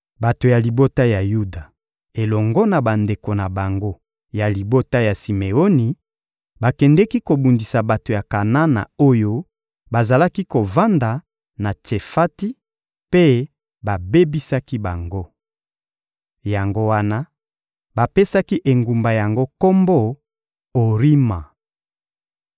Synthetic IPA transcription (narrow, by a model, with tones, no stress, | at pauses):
ba˨to˨ja˨li˨bo˦ta˦ja˨ju˦da˨ | e˨lɔ˨ŋɡɔ˦na˨ba˨nde˨ko˨na˨ba˨ŋɡo˦ | ja˨li˨bo˦ta˦ja˨si˨me˨o˦ni˨ | ba˨kɛ˨ndɛ˦ki˦ko˨bu˨ndi˨sa˨ba˨to˨ja˨ka˨na˦na̰˨o˦jo˦ | ba˨za˨la˦ki˦ko˨va˦nda˨ | na˨t͡ʃe˨fa˦ti˦ | pe˦ | ba˨be˦bi˦sa˦ki˦ba˨ŋɡo˦ | ja˨ŋɡo˦wa˦na˦ | ba˨pe˦sa˦ki˦ʔe˨ŋɡu˨mba˨ja˨ŋɡo˦ko˦mbo˦ | o˨ʁi˦ma˨